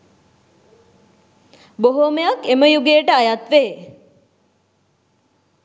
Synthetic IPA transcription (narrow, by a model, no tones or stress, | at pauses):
boɦoməjakeməjuɡeːʈəajat̪ʋeː